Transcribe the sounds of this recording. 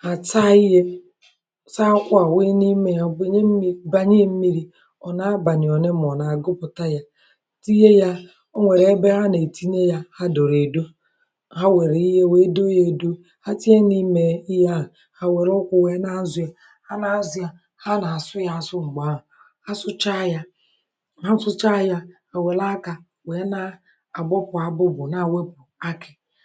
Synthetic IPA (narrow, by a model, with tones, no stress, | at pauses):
a˨ta˦i˦ɦe˦ | sa˦kʷa˨wi˦ni˦me˦ja˦be˦ɲe˦m̩˦ba˦ɲe˦m̩˦mi˦ɾi˦ | ɔ˨na˨˦a˦ba˨nɪ˨ɔ˨ne˦m˦˨ɔ˨na˨a˨ɡʊ˦pʊ˨ta˦ja˦˨ | ti˦je˦ja˦ | o˦ŋʷe˨ɾe˨e˦be˦ɦa˦ne˨ti˦ne˦ja˦ha˦do˨ɾe˨do˦ | ha˦we˨ɾe˨i˦ɦe˦we˦do˦je˨do˦ | ha˦ti˦e˦ni˦me˨i˦ja˦˨ | ha˨we˨ɾʊ˦kʷʊ˦we˨˦na˦n̩˦zʊ˦a˦ | ha˦na˨˦zʊ˦ja˨ | ha˦na˨a˨sʊ˦ja˦a˨sʊ˦ŋ͡m̩˨ɡ͡ba˨˦˨ | a˦sʊ˦t͡ʃa˦ja˦ | a˦n̩˦sʊ˦t͡ʃa˦ja˦ | a˨we˨la˦ka˨ | we˨˦na˦ | a˨ɡ͡bɔ˦pʊ˨a˨bʊ˦bʊ˨na˨we˦pʊ˨a˦kɪ˨